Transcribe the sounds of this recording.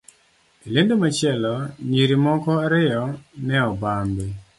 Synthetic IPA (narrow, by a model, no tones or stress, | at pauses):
ilendomat͡ʃɪɛlɔɲiɾimɔkɔɾɪjɔnɛɔbambe